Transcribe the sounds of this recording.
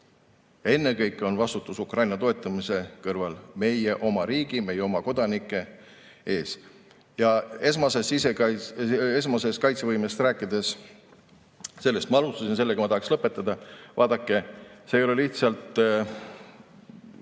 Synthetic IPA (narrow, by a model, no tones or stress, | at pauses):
jɑe̞nːe̞kɤjkˑːeo̞nvɑst̪ut̪ːˑusukrɑjnɑt̪o̞e̞t̪ˑːɑmise̞kɤrvɑlme̞jeʔo̞mɑɾiːɡ̥ime̞jeo̞mɑko̞d̪̥ɑnikːˑe̞ | e̞ːs | jɑesmɑsesise | es̬mɑse̞skɑjt̪se̞vɤjmest̪ræːkːˑid̪̥e̞s | se̞lːe̞st̪mɑɑlust̪ɑsins̬e̞lːeɡɑmɑt̪ɑhɑkslɤpːˑe̞t̪ːˑɑd̪ɑvɑːd̪̥ɑkˑːe̞seːjo̞le̞liht̪sɑlt̪ˑ